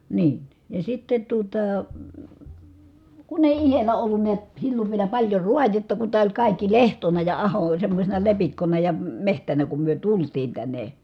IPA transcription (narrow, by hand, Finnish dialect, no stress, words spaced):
niːn jɑ sitːe tuotɑ kun eˑi ihelæ olːun niæt silːoʋ ʋielæ pɑlʲjo ruɑjetːɑ ku tæː olʲ kɑˑikːi lehtonɑ jɑ ɑho olʲ semːosʲenɑ lepikːonɑ jɑ mehtænæ kum myø tultiːn tænːe